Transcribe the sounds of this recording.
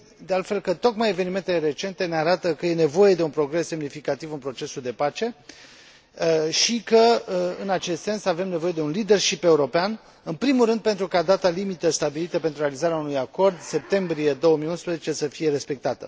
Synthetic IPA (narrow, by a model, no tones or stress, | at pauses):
d̪ealt̪fe̞lkət̪o̞kmaje̞ve̞nime̞nt̪ele̞ɾe̞t͡ʃe̞nt̪e̞neaɾat̪əkəje̞ne̞vo̞je̞d̪e̞unpɾo̞ɡɾe̞sːe̞mnifikat̪ivɨnpɾo̞t͡ʃe̞suld̪e̞pat͡ʃe̞ | ʃikəɨnat͡ʃe̞st̪se̞nsave̞mne̞vo̞je̞d̪e̞unlid̪e̞rʃipe̞uɾo̞pean | ɨnpɾimulɾɨnd̪̚pe̞nt̪ɾukad̪at̪alimit̪əst̪abilit̪əpent̪ɾuɾealizaɾeaunujako̞rd̪se̞p̚t̪e̞mbɾije̞d̪o̞wəmijunspɾəzet͡ʃe̞səfije̞ɾe̞spek̚t̪at̪ə